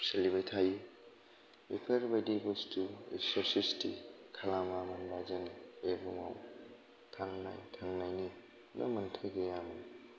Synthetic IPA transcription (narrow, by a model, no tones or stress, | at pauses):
selibajtʰaji | epʰɐɾbajdibustuḛsesistikʰalamamanbazɐnebuma̰w | tʰaŋna̰jtʰaŋnajni | na̰mɐntʰɯɡejama